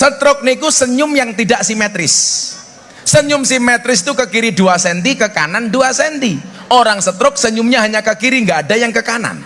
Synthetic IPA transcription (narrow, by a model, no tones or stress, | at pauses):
sət̪ɾʊk̚nikusəɲʊmjaŋt̪idaʔsimet̪ɾɪsː | əɲʊmsimet̪ɾɪst̪ukəkiɾiduasɛnt̪̬ikəka̰nanduasɛnt̪i | oɾaŋsət̪ɾʊk̚səɲʊmɲaɦaɲakəkiɾiŋɡaːdajaŋkəkana̰n